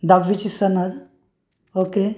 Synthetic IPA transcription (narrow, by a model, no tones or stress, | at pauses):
d̪ɐʋit͡ʃisɐnɐd̪ | oːke